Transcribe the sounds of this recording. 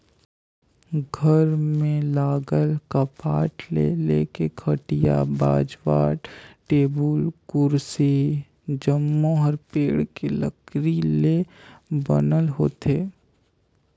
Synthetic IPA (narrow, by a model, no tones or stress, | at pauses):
ɡʱəɾmẽlaːɡəlkapaːʈlḛlḛːkekʰəʈija̰ba̰ːd͡ʒʋa̰ːɾʈeːbəlkʊɾsi | d͡ʒəmːõɦɐɾpeːɽkeləkɾilebə̰nəlɦoːt̪eː